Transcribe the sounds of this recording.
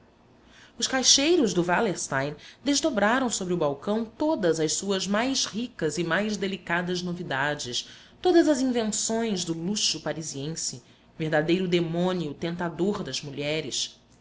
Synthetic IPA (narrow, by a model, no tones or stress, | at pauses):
ʊʃkajʃejɾʊzd̪ʊvaleɾst̪aj̃nd̪ezd̪obɾaɾɐ̃w̃sobɾiʊbawkɐ̃w̃t̪od̪ɐzɐʃsuɐzmajʃhikɐzɪmajzd̪elikad̪ɐznovid̪ad͡ʒɪs | t̪od̪ɐzɐzĩvẽnsõj̃zd̪ʊluʃʊpaɾiziẽsɪ | veɦd̪ad̪ejɾʊd̪emõniʊt̪ẽnt̪ad̪oɾd̪ɐzmuʎɛɾɪs